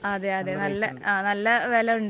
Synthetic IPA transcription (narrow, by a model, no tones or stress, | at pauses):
ɐðeɐðenɐlːɐ̰aːnɐlːɐʋeːlɐuɳɖ